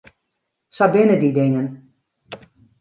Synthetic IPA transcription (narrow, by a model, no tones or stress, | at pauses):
sabɪnədidɪŋən